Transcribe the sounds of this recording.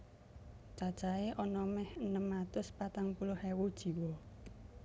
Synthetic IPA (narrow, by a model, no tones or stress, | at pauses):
t͡ʃad̥ʒ̥aeʔɔnɔmɛhənəmat̪ʊspat̪aŋpulʊhewod̥ʒ̥i̤wɔ